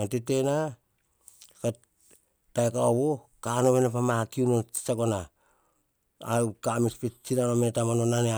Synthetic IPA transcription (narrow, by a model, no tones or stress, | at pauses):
atetena | ka | taekaoβo | kanoβenapamakiunoi̥saɡona | awkamispet͡ʃinanometamanonanea